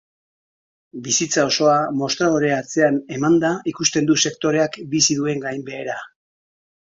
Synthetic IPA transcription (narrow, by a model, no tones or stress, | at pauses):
bisit͡sao̞so̞amo̞st̪ɾaðoɾe̞at͡se̞ane̞mand̪aikust̪e̞nd̪use̞kt̪o̞ɾe̞akbisiðue̞ŋɡajmbe̞ːɾa